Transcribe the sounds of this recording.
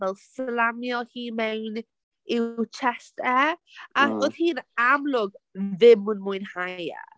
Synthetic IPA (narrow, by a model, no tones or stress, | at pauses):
vɛlˠslamjɔhiːmɛwn | ɪwt͡ʃʰɛstɛaoð̥hiːnamlʊɡðɪmʊnmʊjnhaja̰